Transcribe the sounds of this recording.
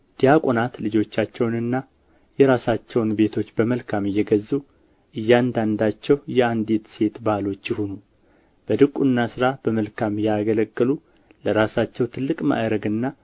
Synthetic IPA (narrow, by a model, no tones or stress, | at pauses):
d̪̥ijakʼonat̪lɨd͡ʒo̞t͡ʃːat͡ʃːɛwnɨnːa | jɛɾasat͡ʃːɛwnbe̞t̪ʰo̞t͡ʃːbəməlkʰamɨjːɛɡəzːu | ʔɨjːand̪and̪at͡ʃːɛwjɛand̪et̪se̞t̪balo̞t͡ʃːɪhunu | b̥əd̪ɨkʼːunːasɨɾab̥əməlkʰamjaɡələkʼːəlu | ləɾasat͡ʃːɛwt̪ʰɨlːɨkʼma̰ɾəɡɨnːa